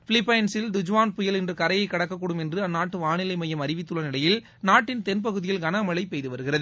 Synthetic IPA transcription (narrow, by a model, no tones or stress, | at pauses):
fɪlɪpːɐjnsɪld̪ʊd͡ʒʋaːnpʊjɐlɛndrɯkɐɾɐjɐɪkːɐɽɐkːɐkːɔːɽɯmɛndrɯɐnːaːʈːɯʋaːnɪlɐɪmɐjɐmɐɾɪʋɪt̪ːɯɭɐnɪɽɐjɪl | naːʈːɪnt̪ɛnp̬ɐɣɯðɪjɪlɡɐnɐmɐɭɐɪpːɛjðɯʋɐɾɯɣɪrɐðɯ